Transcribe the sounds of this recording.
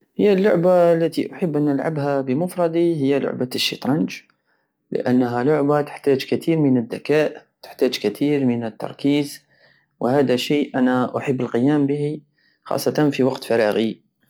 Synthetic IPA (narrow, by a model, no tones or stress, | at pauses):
həjːalːʊʕbalːæt̪iʔʊħəbːʔænːəlʕa̰bhabəmʊfɾˤɑd̪ˤihɪjːalʊ̰ʕbaʃːḭt̪ɾˤɑnd͡ʒ | lɪ̰ʔanːɦælʊʕbat̪ə̥ħt̪aːd͡ʒkat̪iːɾmənəd̪ːakaːʔt̪ə̥ħt̪aːd͡ʒkat̪ʰiːɾmənət̪ːɑ̰ɾˤkiːz | whaːd̪aʃiːʔʔænaʔʊħəbːəlqəjaːmbəhi | xɑ̰sˤːɑt̪ɑnfiwɑqt̪fɑɾˤɑːɣi